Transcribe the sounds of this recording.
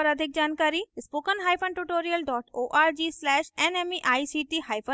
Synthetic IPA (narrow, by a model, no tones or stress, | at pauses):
ɐɾɐd̪ʱɪk̚d͡ʒaːnkaːɾispoːkənɦaːjpʰənʈuʈoːɾijəlɖɔːʈoːʔaːɾd͡ʒiːslɛːʃenemiʔaːisiːʈiɦaːjpʰə